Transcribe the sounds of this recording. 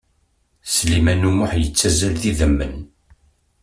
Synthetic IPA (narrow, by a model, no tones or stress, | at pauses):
slimænumʊħjət͡sːæzælðiðəmːə̰n